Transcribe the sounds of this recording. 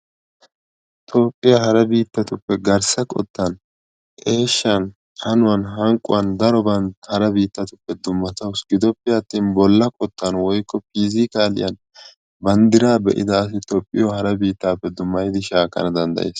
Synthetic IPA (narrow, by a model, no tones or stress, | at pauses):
t̪ʰoːpʼːɪjahɐɾɐbiːt̪ːɐt̪ʊpːɛɡɐɾsɐkʼɔ̰t̪ːɐn | kʼe̞ːʃːɐn | hɐnʊwɐnɦɐŋkʼʊ̰wɐnd̪ɐɾɔbɐnt̪hɐɾɐbiːt̪ːɐt̪ʊpːɛd̪ʊmːɐt̪ɐwʊsɡɪd̪ɔpːɪjat̪ːiːnbɔlːɐkʼɔt̪ːanwɔjkːɔfizɪkaːlɪ̰jɐn | bɐnd̪ɪɾaːbɛ̰ʔɪ̰d̪ɐːs̬ɪt̪ɔpʼːɪjɔhɐɾɐbiːt̪ːaːpːɛd̪ʊmːɐjɪd̪ɪʃaːkːɐ̰nɐd̪ɐnd̪ɐ̰jḛːs